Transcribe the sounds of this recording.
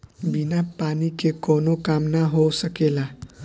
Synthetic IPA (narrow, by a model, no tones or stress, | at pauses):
binapanikekonokamnaɦosəkela